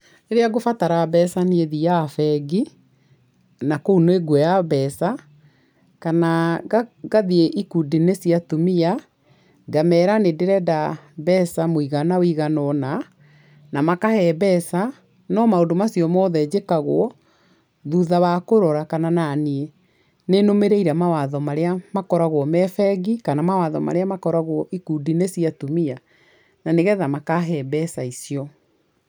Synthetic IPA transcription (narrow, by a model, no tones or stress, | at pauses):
neɾeaɡofataɾabɛsaneeðijafɛɡi | nakounoeɡwɛjaβɛsa | kana | ɡaðieʔikudinesiatumia | ɡamɛːɾanedeɾɛdabɛsamoiɣanawiɣanɔna | namakahɛbɛsa | nɔmaondomasiɔmɔːðɛd͡ʑekaɣoɔ | ðuðaβakoɾɔɾakanananie | nenomeɾeiɾamawaðɔmaɾeamakɔɾaɣwɔmɛfɛɡikanamawaðɔma̰ɾeamakɔɾaɣwɔʔikudinesiatumia | naneɣɛðamakaɦɛbɛsaisiɔ